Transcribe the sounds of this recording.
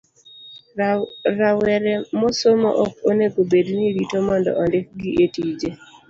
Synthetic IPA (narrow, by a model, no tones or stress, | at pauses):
ɾawɛɾɛmosomo̰ʔɔk̚oneɡobedniɾitomɔndɔ̰ʔɔndɪk̚ɡɪʔetid͡ʒe